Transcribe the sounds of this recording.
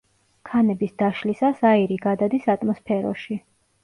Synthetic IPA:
kʰanɛbisd̪aʃlisasaiɾiɡad̪ad̪isat̪ʼmɔspʰɛɾɔ̰ʃi

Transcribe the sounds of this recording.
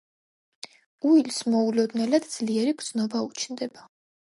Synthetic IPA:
uilsmɔulɔd̪nɛlad̪d̪z̥liɛɾibɾd̪z̥nɔbaut͡ʃʰnd̪ɛba

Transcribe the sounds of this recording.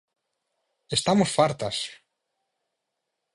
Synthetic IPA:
est̪amosfaɾt̪as

